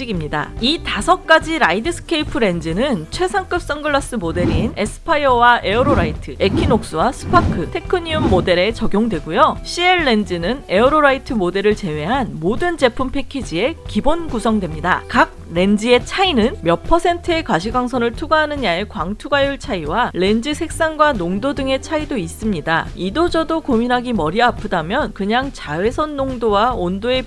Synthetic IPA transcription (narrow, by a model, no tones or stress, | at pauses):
iɡimɲida̰itasʰʌk̚k͈ad͡ʑiɾaidɯsʰɯ̥kʰeipʰɯɾe̞nd͡ʑinɯnt͡ɕʰwe̞sʰaŋk͈ɯp̚s͈ʌŋɡɯɭːas͈ɯmode̞ɾine̞sʰɯ̥pʰaiʌwaʔe̞oɾoɾaitʰɯe̞kʰinok̚s͈ɯwasʰɯ̥pʰakʰɯtʰe̞kʰɯɲiumːode̞ɾe̞t͡ɕʌɡjoŋdwe̞ɡujoɕ͈ʰie̞ɭːe̞nd͡ʑinɯne̞oɾoɾaitʰɯmode̞ɾɯɭt͡ɕe̞we̞ɦanmodɯnd͡ʑe̞pʰumpʰe̞kʰid͡ʑie̞kibonɡusʰʌŋdwe̞mɲida̰kak̚ɾe̞nd͡ʑie̞t͡ɕʰainɯnmjʌpʰʌsʰe̞ntʰɯe̞kwaɕ̬ʰiɡwaŋsʰʌnɯɭtʰuɡaɦanɯnjae̞kwaŋtʰuɡajuɭt͡ɕʰaiwaɾe̞nd͡ʑisʰe̞k̚s͈aŋɡwanoŋdodɯŋe̞t͡ɕʰaidois͈ɯmɲidaidod͡ʑʌdokominɦaɡimʌɾiapʰɯdamjʌnkɯɲaŋt͡ɕawe̞sʰʌnːoŋdowaondoe̞